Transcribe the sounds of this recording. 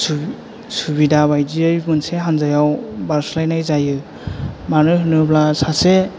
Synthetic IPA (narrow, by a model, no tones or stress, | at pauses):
s | suβidabajdiɯjmɯnseɦanzajawbaɾslajnajzajɯ | manɯɦɯnɯblasase